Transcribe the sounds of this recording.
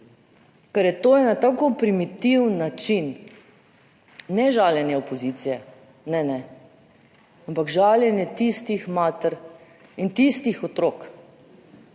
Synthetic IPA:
kaɾjɛt̪oːjɛnat̪akopɾimit̪iwnːat͡ʃin | ɛʒaːljɛnjɛopɔzit̪sijɛ | nɛnɛ | ampakʒaːljɛnjɛt̪ist̪ixmaːt̪əɾ | int̪ist̪ixɔt̪ɾoːk

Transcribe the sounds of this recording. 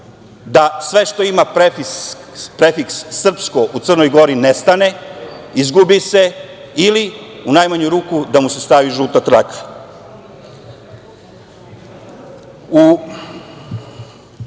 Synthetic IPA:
d̪asʋe̞ʃt̪o̞imapɾefis | pɾefiksːr̩pskoʔut̪r̩nojɡo̞ɾinest̪ane̞izɡubise̞iliunajmaɲuɾuːkud̪amuse̞st̪aʋiʒuːt̪at̪ɾak | u

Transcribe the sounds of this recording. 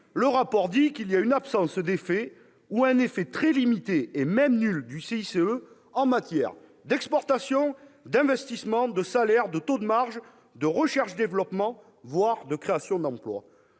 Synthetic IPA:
ləʁapɔʁd̪ikiliaynapsɑ̃sd̪efɛ | uɛ̃nefɛt̪χɛlimit̪eːmɛmnyld̪yseiseø | ɑ̃mat̪jɛʁ | d̪ɛkspɔʁt̪asjɔ̃d̪ɛ̃vɛst̪ismɑ̃d̪əsalɛʁd̪ət̪od̪əmaʁʒ | d̪əʁəʃɛʁʃd̪evəlɔpmɑ̃ | vwaʁd̪əkχeasjɔ̃d̪ɑ̃plwa̰

